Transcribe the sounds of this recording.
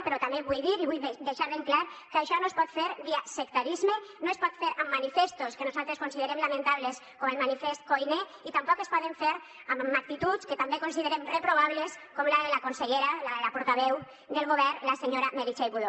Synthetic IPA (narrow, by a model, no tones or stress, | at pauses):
peɾɔt̪ameβujðiɾiβujd̪eʃaɾðeŋklaɾkaʃɔnoespɔt̪feɾðiasek̚t̪aɾizmenoespɔt̪feɾamːanifest̪oskenuzalˠt̪ɾeskonsiðeɾemlamẽnt̪aβleskomelmanifest̪̚kojne | it̪ampɔkespɔðeɱfeɾ | ammak̚t̪it̪ut͡sket̪ambekonsiðeɾemrepɾoβ̞aβleskomlalakonseʎeɾalalapoɾt̪aβɛw | d̪elˠɣoβ̞ɛrlaseɲoɾameɾit͡ʃejβuðo